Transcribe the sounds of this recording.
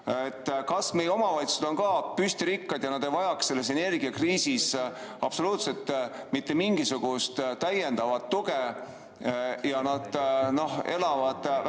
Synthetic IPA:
et̪ːkɑsme̞jeo̞mɑvɑjt̪sused̪̥o̞nkɑːpyst̪iɾikːɑd̪jɑnɑd̪̥ejvɑjɑkse̞lːe̞se̞ne̞rɡ̥iɑkriːsisɑb̥so̞luːt̪se̞lt̪ː | mit̪ːe̞miŋɡ̥isuɡ̥ust̪t̪æje̞nd̪̥ɑvɑt̪ːuɡ̥e | jɑnɑd̪̥no̞ɦe̞lɑvɑd̪̥

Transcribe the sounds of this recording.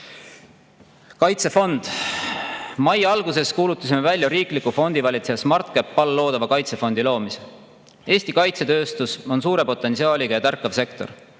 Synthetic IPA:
kɑjt̪se̞fo̞nd̪̥ | mɑjɑlɡuse̞skuːlut̪ːˑɑs̬ʲimevælʲjɑɾiːklikːufo̞nd̪̥ivɑlʲit̪seɑsmɑrt̪̚kepːɑlːo̞ːd̪̥ɑvɑkɑjt̪se̞fo̞nd̪̥ilo̞ːmise | e̞ːsʲt̪ikɑjt̪se̞t̪ø̞ːst̪uso̞nsuːɾe̞po̞t̪ːˑe̞nsiɑːlʲiɡ̥ɑjɑt̪ærkːˑɑvse̞kt̪o̞r

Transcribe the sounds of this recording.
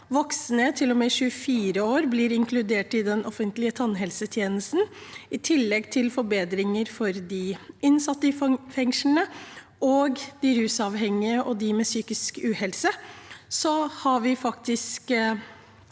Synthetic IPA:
ʋɔksnət̪ʰɪlːɔmɛʃʉːəfiːɾəoːɾblɪɾɪŋkʰlʉd̪eːʈɪd̪ɛnɔfənt̪lɪət̪ʰɑnːɦɛlsət̪ʰjeːnəst̪n̩ɪt̪ʰɪlːɛɡt̪ʰɪlfɔɾbeːd̪ɾɪŋəɾfɔɾd̪ɪɪnsɑt̪ːəɪfɛŋʂnə | ʔɔːɡd̪ɪhʉːsɑʋɦɛŋːɪəʔɔd̪ɪmɛsyːkɪskʉːhɛlsəsɔhɑɾʋɪfɑkt̪ɪsk

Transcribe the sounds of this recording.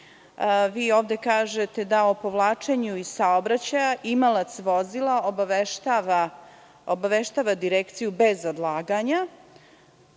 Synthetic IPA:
ʋiːoːʋd̪e̞kaːʒet̪e̞d̪aopo̞ʋlˠaːt͡ʃe̞ɲuisaobɾat͡ɕajaʔimalˠat̪sʋozilaobaʋeʃt̪aʋa | obaʋeʃt̪aʋad̪iɾekt̪sijube̞zod̪lˠaːɡaɲa

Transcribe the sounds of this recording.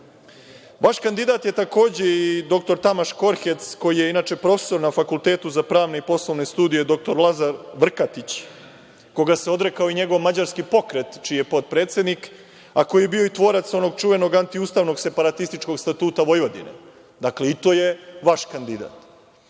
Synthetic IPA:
ʋaʃkand̪id̪at̪je̞t̪ako̞ːd͡ʑe̞id̪o̞k̚t̪o̞ɾt̪amaʃko̞ɾxe̞t̪sko̞jije̞inaːt͡ʃe̞pɾo̞fe̥so̞ɾnafakulˠt̪e̞ːt̪uzapɾaːʋne̞ipo̞slˠoʋne̞st̪uːd̪ije̞d̪o̞k̚t̪o̞ɾlˠazaɾʋr̩kat̪it͡ɕ | ko̞ɡaseo̞d̪ɾe̞kaoiɲe̞ɡo̞ʋmad͡ʑaɾskipo̞kɾe̞t̪t͡ʃiːjepo̞t̪̚pɾe̞ːt̪sje̞d̪nik | ako̞jijebio̞it̪ʋo̞ːɾat̪so̞no̞ɡt͡ʃuʋe̞no̞ɡant̪iuːst̪aːʋno̞ɡse̞paɾat̪ist̪it͡ʃko̞ɡst̪at̪uːt̪aʋo̞jʋod̪ḭnḛ | d̪akle̞it̪o̞je̞ʋaʃkand̪id̪a̰ːt̪

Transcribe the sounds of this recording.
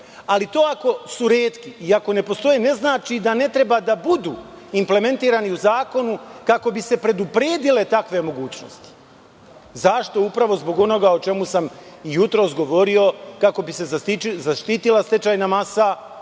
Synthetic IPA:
alit̪o̞ːako̞suɾeːt̪kiiako̞ne̞po̞st̪o̞jene̞znaːt͡ʃid̪ane̞t̪ɾe̞baːd̪abud̪uːimple̞me̞nt̪iːɾaːniuzaːko̞nukako̞bise̞pɾe̞d̪upɾeːd̪ile̞t̪akʋe̞mo̞ɡuːt͡ɕno̞̰st̪i̥ | zaʃt̪o̞upɾaʋo̞zbo̞ɡo̞no̞ɡaot͡ʃe̞musamijut̪ɾo̞ːsɡo̞ʋo̞ɾio̞kako̞bise̞zaizaʃt̪iːt̪ilˠast̪e̞t͡ʃaːjnamasa

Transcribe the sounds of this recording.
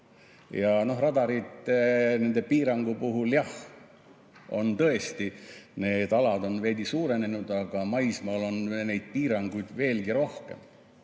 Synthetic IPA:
jɑno̞ɦrɑd̪ɑɾit̪ˑne̞nd̪e̞piːɾɑŋɡ̥upuɦuljɑh | o̞̰nt̪ɤ̞e̞st̪ine̞ːd̪ɑlɑd̪o̞nve̞ːd̪isuːɾe̞ne̞nud̪̥ɑɡ̥ɑmɑjsmɑːlo̞nne̞jd̪̥̚piːɾɑŋɡ̥ujd̪̥ve̞ːlɡiɾo̞hke̞̰m

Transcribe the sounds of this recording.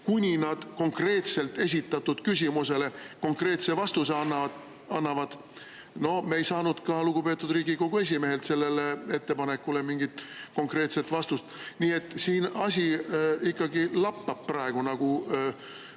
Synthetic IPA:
kunʲinɑd̪̥ko̞ŋkre̞ːt̪se̞lt̪ːe̞s̬ʲit̪ːˑɑt̪ːˑud̪̥kysʲimuse̞le̞ko̞ŋkre̞ːt̪se̞vɑst̪useɑnːɑɑ | ɑnːɑvɑd̪̥ | no̞hme̞jsɑːnud̪̥kɑluɡupe̞ːt̪ːˑud̪riːɡiko̞ɡ̥ue̞s̬ʲime̞ɦe̞lt̪se̞lːe̞le̞e̞t̪ːe̞pɑne̞kːˑule̞miŋɡit̪ko̞ŋkre̞ːt̪se̞t̪vɑst̪ust̪niːe̞t̪ːˑsiːnɑsʲiikːɑɡilɑpːɑb̥̚prɑeɡ̥unɑɡ̥u

